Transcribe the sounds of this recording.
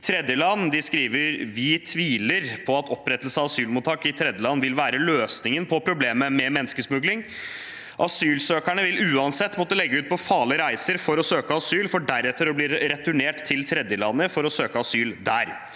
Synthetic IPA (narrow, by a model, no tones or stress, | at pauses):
t̪ʰɾɛd̪jəlɑnːd̪ɪskɾiːʋəɾʋɪt̪ʰʋiːləɾpʰɔɑt̪ɔpːɾɛt̪ːəlsəɑʋɑsyːlmʊːt̪ʰːɑːkɪt̪ʰɾɛd̪jəlɑnːʋɪlʋæːɾəløːsnɪŋənpʰɔpʰɾʊbleːməmɛmɛnːskəsmʉɡlɪŋ | ʔɑsyːlsøːkæɳəʋɪlʉːɑnsɛt̪ːmɔt̪ːəlɛɡːəʉːt̪̚pʰɔfɑːləɾæɪsəɾfɔɾɔsøːkəɑsyːlfɔɖæɾɛt̪ːəɾɔbliːɾɾɛt̪ʉɳeːʈt̪ʰːɪlt̪ʰɾɛd̪jəlɑ̰nːəfɔɾɔsøːkəɑsyːld̪æɾ